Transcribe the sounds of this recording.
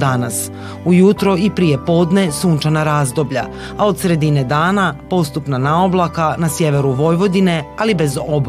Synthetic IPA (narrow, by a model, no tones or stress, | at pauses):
d̪anas | ujut̪ɾo̞ipɾije̞po̞ːd̪ne̞suːnt͡ʃanaɾaːzd̪o̞bʎa̰ | ao̞d̪sɾe̞d̪ine̞d̪aːnapo̞st̪upnanaoblˠakanasje̞ʋe̞ɾuʋo̞jʋo̞d̪ine̞alibe̞zob